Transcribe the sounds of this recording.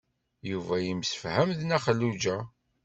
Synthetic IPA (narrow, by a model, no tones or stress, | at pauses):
juvæjimsə̥fhæmðnæχəlːud͡ʒæ